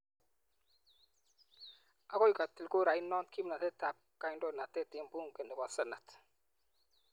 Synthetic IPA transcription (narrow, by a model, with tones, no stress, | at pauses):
a˦kɔ˦jka˨ti˨lku˦ɾa˨i˦nɔ˦tki˦mna˨tɛ˦ta˨p̚ka˨˦ndɔ˦na˨tɛ˦ti˨˦mbu˦˨ŋkɛ˨ndə˨ka˨sə˦˨na˨t